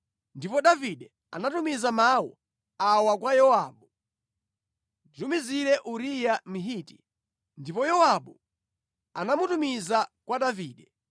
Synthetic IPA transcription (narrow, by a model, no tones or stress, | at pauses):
ndipɔɗaviɗɛ | a̰natumizamawɔ̰ | awak̬wajɔwaːɓu | ditumiziɾɛʔuɾijamiɦiːti | ndipɔjɔwaɓu | anamutumizakwaɗaviːɗɛ